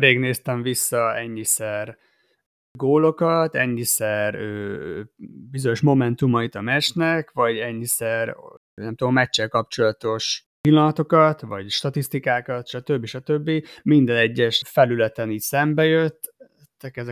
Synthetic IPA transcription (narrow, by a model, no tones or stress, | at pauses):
ɾeːɡneːst̪ɛɱvisːɒɛɲːisɛr | ɡoːlo̞kɒt̪ɛɲːisɛrøː | bizo̞ɲo̞ʃmo̞mɛnt̪umɒit̪ɒmɛt͡ʃnɛkvɒɟɛɲːisɛr | nɛmt̪ommɛt͡ʃːɛlkɒp̚t͡ʃo̞lɒt̪o̞ʃ | pilːɒnɒt̪o̞kɒt̪vɒɟʃt̪ɒt̪ist̪ikaːkɒt̪ʃɒt̪ø̞bːiʃɒt̪øbːimind̪ɛnɛɟːɛʃfɛlylɛt̪ɛniːcsɛmbɛjøt̪ː | t̪ːɛkɛzɛ